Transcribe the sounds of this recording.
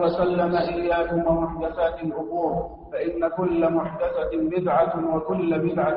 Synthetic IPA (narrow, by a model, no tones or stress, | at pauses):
wɐsalːamaʔɪjːaːkʊmwamʊħd̪aθaːt̪ɪlʔʊbuːɾ | faʔɪnːakʊlːamʊħd̪aθabɪd̪ʕawakʊlːabɪd̪ʕa